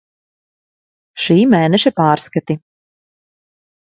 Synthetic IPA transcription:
ʃiːmɛːnɛʃɛpaːɾskat̪i

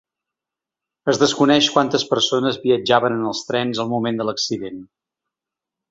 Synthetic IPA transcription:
əzðəskunɛʃkwant̪əspəɾsonəzβiəd͡ʒaβənənəlˠst̪ɾɛnzəlˠmumend̪ələksiðen

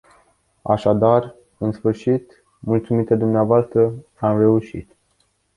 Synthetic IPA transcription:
a̰ʃad̪ar | ɨnsfɨrʃit̪ | mult̪sumit̪ed̪umneavoast̪ɾə | amre̞uʃḭt̪

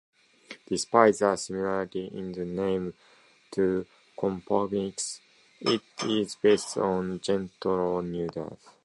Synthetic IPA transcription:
d̪̥ispaɪtzəsimilaɹit̪iʔĩnðənẽɪ̃m | tʰu | kʰɔ̃mpʰɔbiks | itizbeɪstʰɔ̃nd͡ʒɛ̃ntəlnjudə̰θ

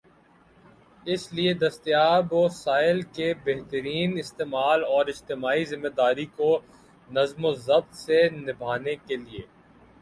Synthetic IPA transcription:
ɪslied̪ɐst̪ijaːboːsaːɪlkebeɦt̪əɾiːnɪst̪eːmaːlɔːɾɪd͡ʒt̪ɪmaːizɪmːed̪aːɾiko | nɐzmozɐb̚t̪senɪbʱaːnekelieː

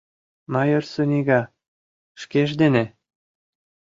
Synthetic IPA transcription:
mɑjørsunʲiɡɑ | ʃkeʒd̪enʲĕ

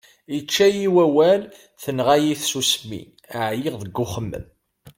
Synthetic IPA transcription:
it͡ʃːæjiwæwæl | θənʁajiθsusmːḭ | əʕjiʁðəɡːʊχəmːə̰m

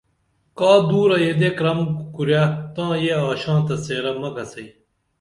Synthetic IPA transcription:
kaːd̪uːɾɐjed̪ekɾɐmkuɾjaːt̪ãːjeaːɕãːt̪ɐseːɾɐmɐkɐsɐi

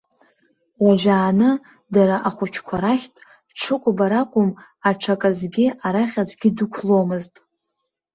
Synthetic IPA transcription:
waʒᶣaːnɨ | daɾaʔaχʷʊt͡ʃʰkʷʰaɾaχʲtʼ | ʈ͡ʂʰɨkʷʼbaɾakʷʼʊm | aʈ͡ʂʰakʼazɡʲiaɾaχʲad͡zʷʰʼɡʲɪdukʷʰlo̞mɨztʼ

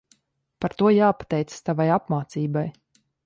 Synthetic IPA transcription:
paɾt̪uɔjaːpḁt̪ɛjt̪sst̪avajapmaːt̪siːbaj

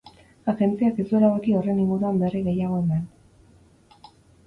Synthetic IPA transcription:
aɣe̞nt͡siakesue̞laɣokio̞re̞niŋɡuɾuambe̞riɣe̞jaɣ̞o̞enan

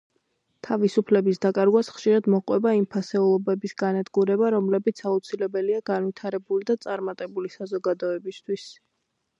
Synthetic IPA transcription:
t̪ʰavisupʰlɛbisd̪akʼaɾɡwasχʃiɾad̪mɔqʼwɛbaimpʰasɛulˠɔbɛbisɡanad̪ɡuɾɛbaɾɔmlɛbit̪sʰaut̪sʰilɛbɛliaɡ̥anvit̪ʰaɾɛbulid̪at̪sʼaɾmat̪ʼɛbulisazɔɡad̪ɔɛbist̪ʰwis

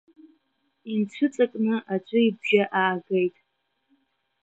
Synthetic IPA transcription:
int͡ɕʷʰʊt͡sʼakʼnɨʔat͡ʃʷʼʊibʒaʔaːɡejtʼ

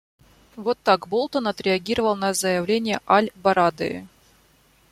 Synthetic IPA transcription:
vot̪ːakbolˠt̪ənɐt̪ɾʲɪɐɡʲiɾəvəlˠnɐzəjɪvlʲenʲɪjəʔalʲbɐɾad̪ɨ̰

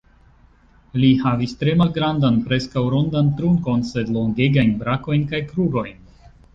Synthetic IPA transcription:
lihavistɾe̞malɡɾandanpɾe̞skawɾondantɾuŋko̞nse̞dlo̞ŋɡe̞ɡajnbɾako̞jnkajkɾuɡo̞jn

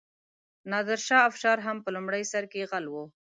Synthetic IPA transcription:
nɑd̪ɪɾʃɑafʃɑɾɦampəlʊmɽəjsaɾkeɣalwo

